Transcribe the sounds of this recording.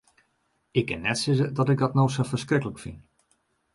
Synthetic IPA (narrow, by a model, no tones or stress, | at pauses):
ɪkːɪnːɛtsɪzədɔtɪɡ̚dɔtnowsəfərskrɪkələkfin